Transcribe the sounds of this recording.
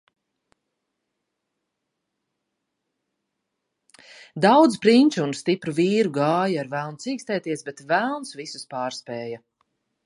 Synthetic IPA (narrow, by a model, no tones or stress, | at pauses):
d̪awd̪zpɾiɲʲt͡ʃuunst̪ipɾuviːɾuɡaːjaɾvælˠnsiːkst̪ɛːt̪iɛsbɛt̪vælˠnsvisu̥spaːɾspɛːja